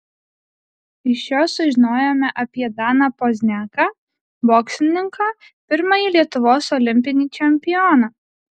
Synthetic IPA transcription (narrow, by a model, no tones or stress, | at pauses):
ɪʃjoːsʊʒʲɪnoːjoːmʲɛʔɐpʲiɛd̪ɑːnɐpɔzʲnʲæːkɑ | boːksʲlʲɪnʲɪŋkɑː | pʲɪɾmɐjilʲiɛt̪ʊʋoːsɔlʲɪmʲpʲɪnʲiːt͡ʃʲɛmʲpʲɪjɔnɑː